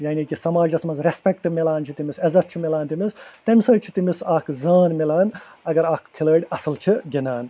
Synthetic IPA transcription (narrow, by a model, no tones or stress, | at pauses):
jaːnikisɐmaːd͡ʒɐsmɐnzɾespʲɛkʈimilaːnt͡ʃʰit̪imisɐzɐt̪̚t͡ʃʰimilaːnt̪imist̪ɐmʲsɐːt͡ʃʰit̪imisaːkʰzaːnmilaːn | ɐɡɐɾaːkkʰiləːɖʲɐsɨlt͡ʃʰiɡinaːn